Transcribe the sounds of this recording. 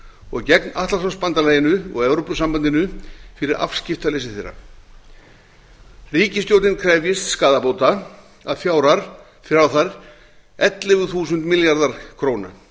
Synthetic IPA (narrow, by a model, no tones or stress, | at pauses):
ɔɣcɛknaht̪lasaspant̪alaːjɪnʏɔ̰ɣɛwɾowpʏsampant̪ɪnʏfɪɾɪɾa̰fscɪft̪alejs̬ɪθejrːa̰ | riːcɪst̪jowt̪nɪnkʰɾɛvjɪst̪skaːðapoːwt̪a | a̰ðfjaːwɾaɾ̥ | fɾawθaɾ | ɛt̪lɪvʏθuːsʏnt̪mɪljaɾðaɾ̥kʰɾoːwna̰